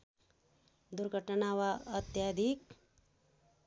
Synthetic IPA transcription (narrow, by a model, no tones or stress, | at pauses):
d̪uɾɡʱəʈnaʋaət̪jad̪ʱik̚